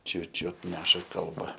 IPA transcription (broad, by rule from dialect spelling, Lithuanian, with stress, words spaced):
ˈt͡ʃʲʊ ˈt͡ʃʲʊt ˈnʲæːʃɐ kɐlˠˈbɐ